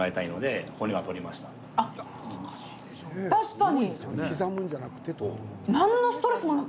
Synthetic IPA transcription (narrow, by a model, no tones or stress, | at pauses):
ae̞t̪aino̞d̪e̞hoɲ̟iɡat̪o̞ɾʲimaɕi̥t̪a | aja | zkaɕi̥ːd̪̥eɕonet̪aɕi̥kaɲ̟iesokʲizamɯ̟̃ɲ̟d͡ʑanakɯ̟̥t̪e̞t̪o | nãnːosɨ̥t̪o̞ɾe̞sɨmona